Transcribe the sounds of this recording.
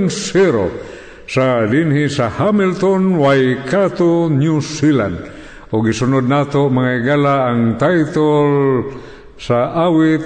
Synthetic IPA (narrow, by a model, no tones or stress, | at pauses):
nsiɾo̰ | sadinhisahamilt̪onwajkat̪onjusila̰nd̪ | ʊɡisʊnod̪̚nat̪oʔmaŋaiɡalaːŋt̪ajt̪ol | saʔawɪt̪